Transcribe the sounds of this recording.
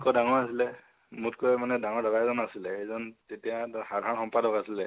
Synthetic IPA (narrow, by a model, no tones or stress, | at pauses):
kɔdaŋɔɹasilɛ | mutkojmanɛdaŋɔɹdɔɡajzɔnasilɛejzɔntetijaxadʱanxɔmpadɔkasilɛ